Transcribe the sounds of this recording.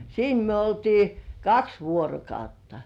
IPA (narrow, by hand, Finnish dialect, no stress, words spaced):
siːn myø oltiː kɑks ʋuorokɑutːɑ